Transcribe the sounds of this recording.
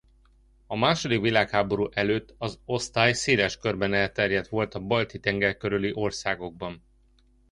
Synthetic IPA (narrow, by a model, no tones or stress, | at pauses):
ɒmaːʃo̞d̪ikʋilaːkhaːbo̞ɾuːʔɛløːt̪ːɒzo̞st̪aːjseːlɛʃkørbɛnɛlt̪ɛrjɛt̪ʋo̞lt̪ɒbɒlt̪it̪ɛŋɡɛrkøɾyliʔo̞rsaːɡo̞ɡ̚bɒn